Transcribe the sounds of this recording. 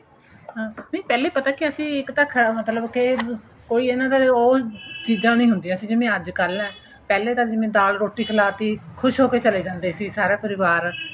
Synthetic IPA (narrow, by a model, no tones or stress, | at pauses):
ãːnẽːpɛːleiːpət̪aːkɪəsĩːɪkt̪əkʰːmət̪ləbke | koːiːenãːd̪aːoːt͡ʃiːd͡ʒãːnĩːɦʊ̃nd̪ĩːãːsĩːd͡ʒɪmẽːəd͡ʒkəɾlɛ̃ː | pɛːleːt̪ãːd͡ʒɪmẽːd̪aːlɾoːʈiːkʰəlaːt̪iːkʰʊʃɦoːkeːt͡ʃəleːd͡ʒãːnd̪eːsiːsaːɾaːpəɾɪʋaːɾ